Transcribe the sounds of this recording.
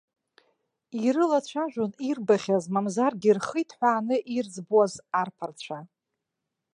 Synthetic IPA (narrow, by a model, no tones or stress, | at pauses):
iɾɨlat͡ɕʷʰaʒᶣʷʊnirbaχʲazmamzarɡʲirχɨjtʰħʷaːnɨʔird͡zbuwazarpʰart͡ɕʷʰa